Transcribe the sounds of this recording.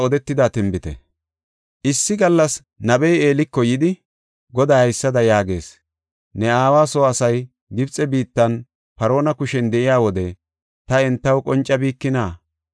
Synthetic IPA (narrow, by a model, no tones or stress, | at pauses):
ɔd̪ɛt̪ːɪd̪at̪ɪmbɪt̪ɛ̰ | ʔɪsːɪɡɐlːɐs | nɐbɛje̞ːlɪkːɔjɪd̪ɪ | ɡɔd̪aːhɐjsːɐd̪ɐjaːɡe̞̰ːs | nɛaːwaːsoːɐsɐj | ɡɪbt͡sʼɛbiːt̪ːɐn | pɐɾo̞ːnɐkʊʃɛnd̪ɛʔɪjaːwɔd̪ɛ | t̪ɐɛnt̪ːɐwkʼɔnt͡ʃʼːɐbiːkːɪnaː